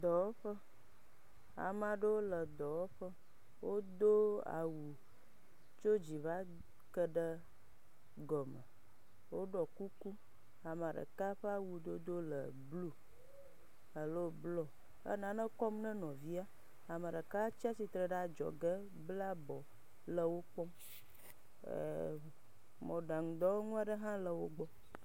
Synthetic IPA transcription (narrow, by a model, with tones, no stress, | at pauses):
d̪ɔ˨wo˦ɸə˦ | a̰˨mã˨ɖə˦wo˦lə˨d̪ɔ˨wo˦ɸə˦ | wo˦d̪o˦a̰˨wu˨ | t͡ʃo˦d͡ʑi˨va˦ | kə˦ɖə˦ | ɡɔ˨mə̰̃˨ | wo˦ɖɔ˨ku˦ku˦ | a˨m˨a˨ɖə̰˨ka˦ɸə˦a˦˨wu˨d̪o˦d̪o˦lə̰˨ | blu˦ | ə˨lo˦blɔ˦ | ə̰˦nã˨nə̃˦kɔ˦mnɛ̃˦nɔ̃˨vi˦a˦ | a˨ma˨ɖə˨ka˦t͡ʃi˦a˦si˨t̪ɾə˨ɖa˨d͡ʒɔ̰˨ɡə˦ | bla˦bɔ˨ | lə˨wo˦k͡pɔ˦m˨ | mɔ̃˨ɖa˨ŋ̩˨d̪ɔ˦wo˦ŋũ˦a˨ɖə˦ɦã˦lə˨wo˦ɡ͡bɔ˦